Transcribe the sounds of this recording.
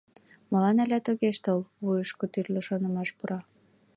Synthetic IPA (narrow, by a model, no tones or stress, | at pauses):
molɑnælʲæt̪oɣeʃt̪olβujəʃkot̪yrloʃonə̆mɑʃpuɾɑ